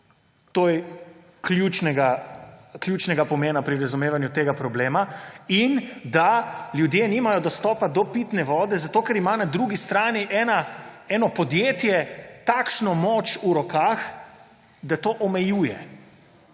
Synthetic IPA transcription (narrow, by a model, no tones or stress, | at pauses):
t̪oːjɛ | kljuːt͡ʃnɛɡa | klʲjuːt͡ʃnɛɡapɔmeːnapɾiɾazumeːʋanjut̪eːɡapɾɔbleːmaind̪aljud̪jenimajɔd̪ɔst̪ɔːpad̪ɔpit̪nɛʋɔːd̪ɛzat̪oːkɛɾimanad̪ɾuɡist̪ɾaːniʔɛːnaɛnɔpɔd̪jeːt̪jɛt̪akʃnɔmot͡ʃuɾɔkaːx | d̪at̪oːʔɔmɛjuːjɛ